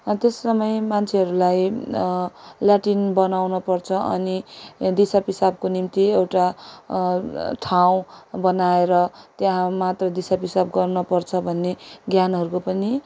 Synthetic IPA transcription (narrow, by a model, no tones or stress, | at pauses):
t̪esːʌmʌjmant͡sʰeɦʌɾulaj | ljaʈinbʌnawnʌpʌrt͡sʰʌʔʌ̰nid̪isapisab̚konimt̪iewʈa | ʈʰaw̃bʌnaeɾʌt̪jaɦãmat̪rʌd̪isapisab̚ɡʌrnʌpʌrt͡sʰʌbʱʌnːeɡjanɦʌɾukopʌni